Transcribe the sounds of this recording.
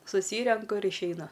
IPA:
sʊˈsʲiːrʲɛŋkʊ ɪr ɪʃʲɛɪˈnʊ

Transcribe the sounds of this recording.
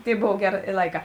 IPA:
ˈtʲeːɪ ˈboːw ˈɡʲæːˌrʲeː ɪ ˈlˠɐɪˌkɑː

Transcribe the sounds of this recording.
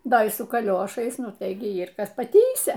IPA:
ˈdɐ iː sʊ kɐˈlʲoːʃɐɪs ˈnʊ tɐɪ ɡʲɪ ˈiːr ˈkɐs pɐˈtʲiːsʲɛ

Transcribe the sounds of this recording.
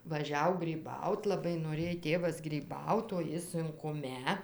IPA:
ʋɐˈʒʲɛʊ ɡrʲiːˈbɐʊt lˠɐˈbɐɪ noːˈrʲeːj ˈtʲeːʋɐs ɡrʲiːˈbɐʊt oː ˈjɪ sʊŋkʊˈmʲɛ

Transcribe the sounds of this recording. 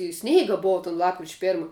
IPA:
ɪr ˈsʲnʲɛɪɡɐ ˈboːʋɐ toːn ˈlˠɑːpkrʲɪt͡ʃʲ ˈpʲeːrmɐ

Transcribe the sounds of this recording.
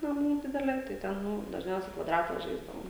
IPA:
nɐˈmuː ˈdʲɪdʲɛlʲeː tɐɪ ˈtʲɛn ˈnʊ dɐʒʲˈnʲɛʊsʲɛɪ kʋɐˈdrɑːtɐ ˈʒɐɪzdɐʋoːm

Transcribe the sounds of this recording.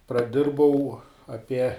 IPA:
prɐˈdʲɪrbɐʊ ɐˈpʲiɛ

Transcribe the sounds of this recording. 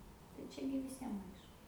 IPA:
tɐɪ ˈt͡ʃʲɛ ɡʲɪ ʋʲɪˈsʲiɛm ˈɐɪʃkʊ

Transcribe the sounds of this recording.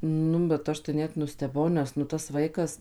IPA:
ˈnʊ bʲɛt ˈɐʃ tɐɪ ˈnʲɛt nʊsʲtʲɛˈbɐʊ ˈnʲɛs nʊ tɐs ˈʋɐɪkɐs

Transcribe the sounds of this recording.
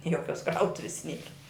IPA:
ˈjoːkʲoːs ˈkrɐʊtʊʋʲɪs ˈnʲiɛrɐ

